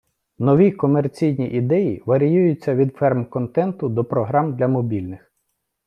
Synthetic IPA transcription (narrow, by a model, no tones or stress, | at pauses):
nɔʋʲikɔmert͡sʲijnʲiʔid̪ɛjiʋɐɾʲijujʊt͡sʲːɐʋʲid̪fɛrmkɔnt̪ɛnt̪ʊd̪ɔpɾɔɦɾɑmd̪lʲɐmɔbʲilʲnɪx